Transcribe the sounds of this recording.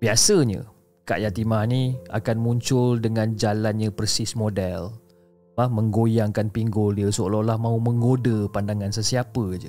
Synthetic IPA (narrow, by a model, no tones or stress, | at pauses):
biasəɲə̰ | ka̰ʔjat̪imahnia̰kanmuɲt͡ʃʊldəŋand͡ʒalanɲəpərsɪsmodɛl | lahməŋɡojaŋkanpiŋɡʊldiəsoloʔlahmãuməŋɡodəpandaŋansəsiapəd͡ʒə̰